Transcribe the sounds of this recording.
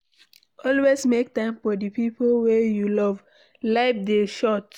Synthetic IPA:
ʔɔlwesmektãɪ̃mfɔdəpipolwejulɔv | laɪp̚deʃɔt

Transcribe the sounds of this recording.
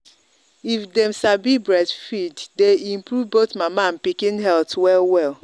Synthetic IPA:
ifdɛmsabibɹɛdfiddeimpɾuvbotmamampikĩnɦɛltwɛlwɛl

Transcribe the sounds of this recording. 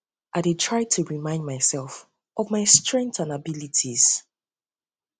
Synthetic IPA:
ʔaɪdetʰɹ̥aɪtʰuɹimãɪ̃ndmaɪsɛlˠf | ʔɔvmaɪstɹɛ̃ŋk̚tãnabilitʰiz̥

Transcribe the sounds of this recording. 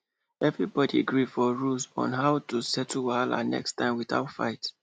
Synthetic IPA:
ɛvɹibɔdiɡɹifɔɹulsɔ̰̃nɦaʊtusɛtʰuwala̰nɛ̰kstãɪ̃mwiθa̰ʊtfa̰ɪt

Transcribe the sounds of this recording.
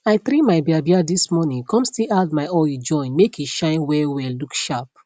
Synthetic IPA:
aɪθɾimaɪbiabiadismɔnĩŋkʰɔ̃mstiad̚maɪɔd͡ʒɔ̃ɪ̃nmekʰiʃãɪ̃nwɛwɛllukʃap̚

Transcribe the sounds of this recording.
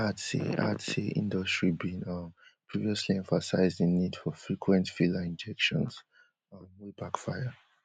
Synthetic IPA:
atḭa̰tʰḭʔḭ̃ndɔstɹibĩnʌpʰɹiviɔsliɛ̃ɱfasaɪzdinidfɔfɹikʰwɛ̃ntfiləĩnd͡ʒɛkʃɔ̰̃ns | ʌmwibakfajə

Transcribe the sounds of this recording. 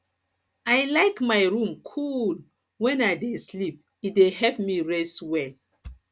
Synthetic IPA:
ajlaɪkmaɪɹũmkʰul | wɛ̃naɪdeslip̚ | it̚deɦɛpmiɹeswɛl

